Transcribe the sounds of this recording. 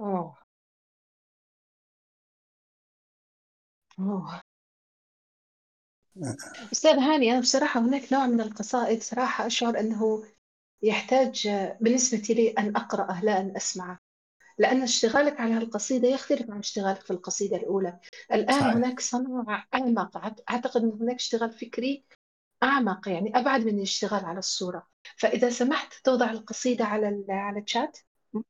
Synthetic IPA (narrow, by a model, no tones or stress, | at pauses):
ʔa | ʔo | ʔʊst̪aːðɦaːniʔanabsˤɑɾˤɑːħahʊnaːknoːʕmɪnɪlqɑsˤɑːʔɪd̪sˤɑɾˤɑːħɑʔaʃʕʊɾˤʔɪnːaɦʊ | jɪħt̪aːd͡ʒbɪnːɪsbat̪iliʔanʔɑqɾɑʔalaːʔanʔasmaʕa | lɪʔanːaɪʃt̪ɪɣaːlakʕalaalqɑsˤiːd̪ajɪxt̪alɪfʕanɪʃt̪ɪɣaːlakfilqɑsˤiːd̪alʔuːlaʔɪlʔaːnhʊnaːksˤɨnuːʕʔaʕmɑqʕʔaʕt̪aqɪd̪ʔɪnːhʊnaːkɪ̥ʃt̪ɪɣaːlfɪkɾi | ʔaʕmɑqjaʕniʔabʕad̪mɪnalɪʃt̪ɪɣaːlʕalasˤːuːɾˤɑ | faʔɪðasamaħt̪t̪ʊːd̪ˤɑʕɪlqɑsˤiːd̪aʕalaʕalat͡ʃːaːt̪